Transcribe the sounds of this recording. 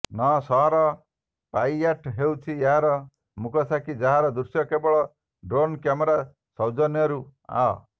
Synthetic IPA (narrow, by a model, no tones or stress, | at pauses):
nɔsɔɦɔɾɔ | pajaʈɦewt͡ʃʰieɦaɾɔ | mukɔsakid͡ʒaɦaɾɔd̪uɾsjɔkebɔɭɔ | ɖɾonkjamɔɾa | sɔwd͡ʒɔnjɔɾua̰ɔ